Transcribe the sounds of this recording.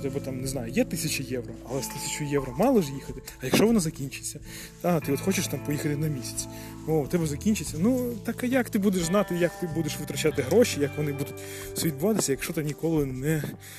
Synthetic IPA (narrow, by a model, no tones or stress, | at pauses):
t̪ɛbɐt̪amneznɑjʊjɛt̪ɪsʲɐt͡ʃɪjɛʋɾɔɐlˠɛst̪ɪsʲɐ̥t͡ʃʊjɛʋɾɐmɑlˠɔʒjixɐt̪ɪ | ɐjɐkʃt͡ʃɔʋɔnazɐkʲinʲt͡ʃɪ̥t͡sʲːɐ | d̪̥at̪ɪɔt̪xɔt͡ʃɪʃt̪ɑmpɔjixɐt̪ɪnɐmʲisʲɐ̥t͡sʲ | ot̪ɛbɐzɐkʲinʲt͡ʃɪt͡sʲːɐnut̪akajɐkt̪ɪbud̪eʒznɑt̪ɪjɐk̚t̪ɪbud̪eʃʋɪt̪ɾɐt͡ʃat̪ɪɦɾɔʃijɐkʋɔnɪbud̪ʊtʲ | sʲʋʲid̪̚bʊʋɑt̪ɪsʲɐjɐkʃt͡ʃɔt̪ɐnʲikɔlˠɪnɛ